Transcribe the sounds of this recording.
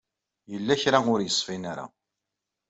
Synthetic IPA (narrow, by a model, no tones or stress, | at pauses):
jəlːæçɾaʊɾjəsˤːfinaɾa̰